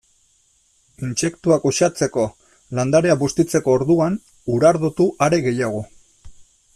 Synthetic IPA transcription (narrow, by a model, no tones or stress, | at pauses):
inse̞kt̪uakoʃat͡se̞ko̞ | land̪aɾe̞aβust̪it͡se̞ko̞ːɾðuan | uɾaɾðot̪uʔaɾe̞ɣe̞jaɣ̞o